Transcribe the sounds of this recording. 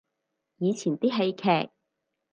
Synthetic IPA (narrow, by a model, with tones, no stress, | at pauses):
jiː˨˧t͡sʰiː˨˩nt̪iː˥ɦe˧jkʰɛː˨˩k̚